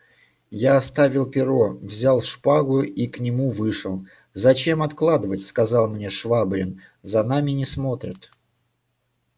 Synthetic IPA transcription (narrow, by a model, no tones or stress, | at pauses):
jaɐst̪avʲɪlˠpʲɪɾo̞vzʲalˠʂpaɡʊiknʲɪmuvɨʂəlˠ | zɐt͡ɕe̞mɐt̪klˠad̪əvətʲskɐzɑlˠmnʲe̞ʂvabɾʲɪnzɐnamʲɪnʲɪsmo̞t̪ɾʲɪt̪